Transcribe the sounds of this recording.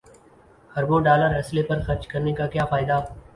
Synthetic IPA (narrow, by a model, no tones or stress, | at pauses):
hɐɾbõɖaːləɾɦɐslepɐɾxɐɾt͡ʃkɐɾnekakjaːfaːɪd̪a